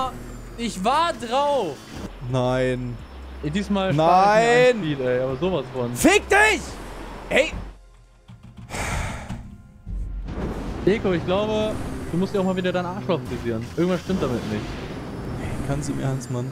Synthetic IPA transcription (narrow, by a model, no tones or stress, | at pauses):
ɪçvaːɐdʁaʊf | naɪn | diːsmaːlnaaɪniːtɛɪʔaːbɐzoːvasfɔnfɪk̚tɪçhɛɪ | ʔeːkoɪçɡ̥laʊbəd̥uːmʊstjaʊxmaːviːdɡɐdaɪnʔaːɐʃlaʊfn̩diziːʁənʔɪɐŋ̩tv̥ansʃtɪmt̚d̥amɪtnɪçt | ɛkʰanstduiːmihaɐnstman